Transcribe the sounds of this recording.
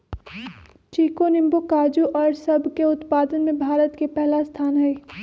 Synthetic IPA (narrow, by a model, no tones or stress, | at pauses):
t͡ʃiːkonɪ̃mbokaːd͡ʒuʔɔːɾsɐbʱkeʊt̪paːd̪ənmẽbʱaːɾət̪kepɛɦlast̪ʰaːnɦɛ